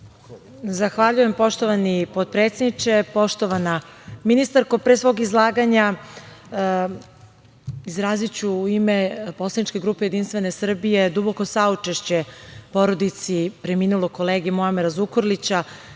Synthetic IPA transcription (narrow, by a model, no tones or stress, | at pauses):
zaxʋaʎuje̞mpo̞ʃt̪o̞ʋanipod̪̚pɾe̞ːt̪sʲed̪nit͡ʃe̞po̞ʃt̪o̞ʋanaminist̪aɾkopɾesʋo̞ːɡizlˠaːɡaɲa | izɾaːzit͡ɕuːime̞po̞slanit͡ʃke̞ɡɾuːpe̞je̞d̪inst̪ʋe̞nesr̩bije̞d̪uboko̞saut͡ʃeʃt͡ɕe̞po̞ɾo̞d̪it̪sipɾemiːnulokoleːɡimoameɾazukoɾlit͡ɕa